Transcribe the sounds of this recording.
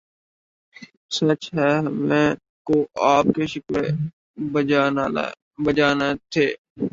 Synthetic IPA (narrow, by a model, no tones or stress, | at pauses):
sɐt͡ʃɦɛːɦɐmẽ | koʔaːp̚keʃɪkle | bəd͡ʒaːnet̪ʰeː